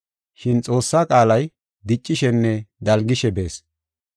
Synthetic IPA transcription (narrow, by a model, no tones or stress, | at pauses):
ʃɪnt͡sʼo̞ːsːaːkʼaːlɐj | d̪ɪt͡ʃʼːɪʃɛnːɛd̪ɐlɡɪʃɛbe̞ːs